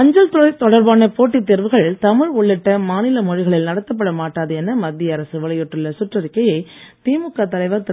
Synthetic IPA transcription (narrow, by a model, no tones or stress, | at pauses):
ɐɲd͡ʒɐlt̪t̪ɔɽɐɾbaːnɐpoːʈːit̪ːɛɾʋɯɣɐɭt̪ɐmɪɻʊɭːɪʈːɐmaːnɪlɐmɔɻɪɣɐɭɪlnɐɽɐt̪ːɐp̬ːɐɽɐmaːʈːaːðɯɛnːɐmɐd̪ːɪjɐɾɐsɯʋɐɭɐjɔʈːrɯɭːɐsʊʈrɐɾɪkːɐjɐɪt̪iːmɯkːat̪ɐlɐɪʋɐɾt̪ɐ